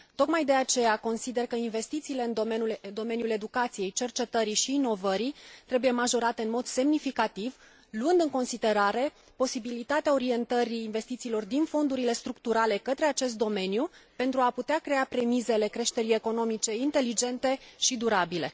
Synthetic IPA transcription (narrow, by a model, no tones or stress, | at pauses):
t̪o̞kmajd̪e̞at͡ʃe̞jako̞nsid̪e̞rkəinve̞st̪it̪siːle̞ɨnd̪o̞menuld̪o̞me̞njule̞d̪ukat̪sije̞jt͡ʃe̞rt͡ʃe̞t̪əɾiʃiːno̞vəɾit̪ɾe̞buje̞maʒo̞ɾat̪e̞ɨnmo̞d̪se̞mnifikat̪iv | luɨnd̪ɨŋko̞nsid̪e̞ɾaɾe̞ | po̞sibilit̪at̪eao̞ɾie̞nt̪əɾiːnve̞st̪it̪siːlo̞rd̪info̞nd̪uɾile̞st̪ɾukt̪uɾale̞kət̪ɾe̞at͡ʃe̞s̬t̪̚d̪o̞me̞njupe̞nt̪ɾuaput̪eakɾe̞apɾe̞mize̞le̞kɾe̞ʃt̪e̞ɾije̞ko̞no̞mit͡ʃe̞int̪e̞lid͡ʒe̞nt̪e̞ʃid̪uɾabile̞̰